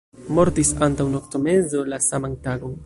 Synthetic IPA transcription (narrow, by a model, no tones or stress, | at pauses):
moɾt̪isant̪awnokt̪omenzolasamaŋt̪aɡoŋ